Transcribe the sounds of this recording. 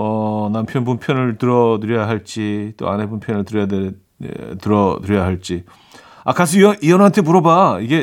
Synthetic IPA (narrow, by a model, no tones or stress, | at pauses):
ʌnampʰjʌnp̬unpʰjʌnɯɭtɯɾʌt̬ɯɾʌjaɦaɭt͡ɕ͈it͈o̰anepumpʰjʌnɯɭtɯɾʌjadḛ | tɯɾʌtɯɾjʌjaɦaɭt͡ɕ͈i | akas̬ʰʌiʌiʌnɦantʰemuɾʌbaiɡe̞